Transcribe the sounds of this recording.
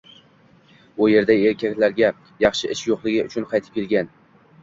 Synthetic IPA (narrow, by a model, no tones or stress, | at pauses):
ʊje̞ɾd̪ae̞ɾkʲʰakʲlaɾɡʲa | jɑχʃɪʔɪʃjoqlˠɪɡʲɪʊt͡ʃʰʊnqʰɑjt̪ʰɪ̥p̚kʲe̞lɡʲan